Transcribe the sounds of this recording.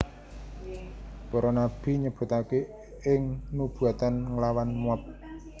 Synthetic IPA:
pɔɾɔnab̥i̤ɲəb̥ʊ̤t̪ake | ɪŋnub̥ṳat̪anŋəlawanmuap̚

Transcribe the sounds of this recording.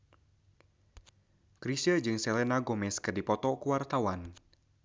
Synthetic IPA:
kɾisəd͡ʒɨŋsɛlenaɡɔmɛskərdipɔt̪ɔkuwart̪awan

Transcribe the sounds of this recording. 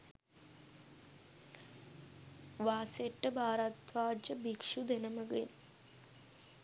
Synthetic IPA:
ʋaːseʈːɐbʱaːɾat̪ʋaːd͡ʑɐbikʂud̪enɐmɐɡen

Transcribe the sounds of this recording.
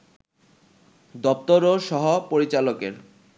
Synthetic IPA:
d̪ɔp̚t̪oɾoʃɔɦopoɾit͡ɕalokḛɾ

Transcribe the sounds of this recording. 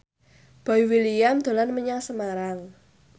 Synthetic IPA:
b̥a̤iwiliamd̪̥o̤lanməɲaŋsəmaɾal

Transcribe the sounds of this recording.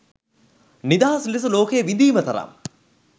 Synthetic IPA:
nid̪aːɦɐslis̬uloːkəjəʋind̪iːmət̪ɐɾa̰m

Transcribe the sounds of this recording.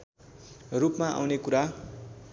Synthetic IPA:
rupmaʔa̰wnekuɾa

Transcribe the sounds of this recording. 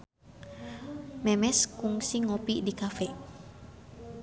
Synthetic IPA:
mɛmɛskuŋsiŋopidikafɛ

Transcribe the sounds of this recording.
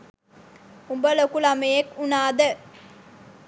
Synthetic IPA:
umbəlokulamejekunaːd̪ə

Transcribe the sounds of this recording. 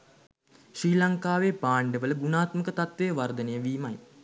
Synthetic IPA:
ʃriːlaŋkaːʋepaːɳɖəʋələɡunaːt̪məkət̪at̪ʋejəʋard̪ənejəʋiːmaj

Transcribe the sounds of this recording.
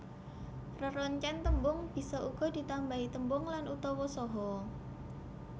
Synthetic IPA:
rəɾɔɲt͡ʃɛnt̪əmbʊŋb̥i̤sɔʔuɡ̥ɔ̤d̪̥i̤t̪ambait̪əmbʊŋlanʔut̪ɔwɔsɔɦɔ

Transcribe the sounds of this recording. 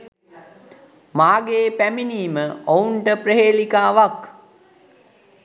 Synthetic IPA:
maːɡeːpæminiːməʔouɳʈəpɾəɦeːlikaːʋak

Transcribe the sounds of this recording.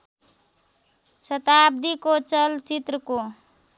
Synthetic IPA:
sʌt̪ab̚d̪ikot͡ʃʌlt͡ʃit̪ɾəko

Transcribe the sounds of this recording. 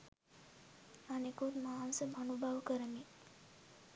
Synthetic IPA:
anekut̪maːnsəmʱənubʱaʋkəɾəmi

